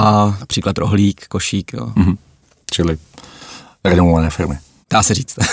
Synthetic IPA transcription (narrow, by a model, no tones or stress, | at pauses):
anapr̥iːklat̪ɾʔoɦliːkkoʃiːkjo̰ːm̩ɦm̩ | t͡ʃɪlɪ | ɾɛnovovanɛːfɪɾmɪ | d̥aːsɛɾiːt͡st̪